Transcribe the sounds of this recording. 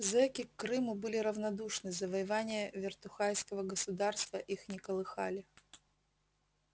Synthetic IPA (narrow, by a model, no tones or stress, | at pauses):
zɛkʲɪkːɾɨmʊbɨlʲɪɾɐvnɐd̪uʂnɨzɐvɐjɪvanʲɪjəvʲɪrt̪ʊxajskəvəɡəsʊd̪arst̪vəʔixnʲɪkəlˠɨxalʲɪ